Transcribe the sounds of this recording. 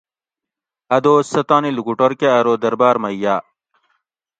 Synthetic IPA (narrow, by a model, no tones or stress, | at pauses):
ɐd̪oːsɐt̪aːniluɡuʈoɾkeɐɾoːd̪ɐɾbaːɾmɐjːaː